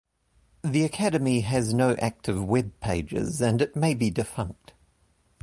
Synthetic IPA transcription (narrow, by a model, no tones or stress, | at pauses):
ðiɨkʰæɾəmiɨznəʊʔæk̚tʰɨvwɛb̚pʰeɪd͡ʒɪ̰zɨ̃nɨt̚meɪbidɨfʌ̰̃ŋk̚t